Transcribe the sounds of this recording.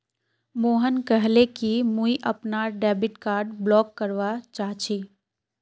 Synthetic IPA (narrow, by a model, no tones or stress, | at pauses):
moːɦənkəɦlekimũiʔəpnaɾɖɛːbiʈkaːɾɖblɔːkːəɾʋat͡ʃaːɦt͡ʃʰi